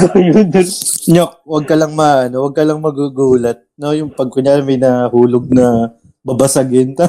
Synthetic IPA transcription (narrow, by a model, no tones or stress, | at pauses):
kajonnɲok̚wɐɡ̚kɐlɐŋmɐʔɐno̞wɐɡ̚kɐlɐŋmɐɡuɡuːlɐt̪̚no̞jʊŋpɐɡ̚kʊɲaːɾɪŋmɐjnahuːloɡ̚nɐ | bɐbasɐɡɪnt̪ɐ